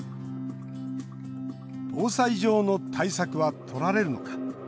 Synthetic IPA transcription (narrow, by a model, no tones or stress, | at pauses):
b̥o̞ːsaiʑo̞ːno̞t̪ʰaisakɯ̟βat̪ʰo̞ɾaɾe̞ɾɯ̟no̞̰kḁ